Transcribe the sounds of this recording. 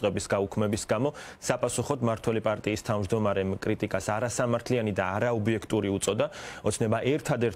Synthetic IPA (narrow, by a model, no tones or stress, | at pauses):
qʼɛbisɡaukʰmɛbisɡamɔsapʼasuχɔd̪maɾt̪ʰwɛlipʼaɾt̪ʼiːst̪ʰavmd͡ʒd̪ɔmaɾɛmkʼɾit̪ʼikʼasaɾasamaɾt̪ʰlianid̪aːɾaɔbiɛkʰt̪ʼuɾiut̪sʼɔd̪aɔt̪sʰnɛbaʔɛɾt̪ʰad̪ɛɾ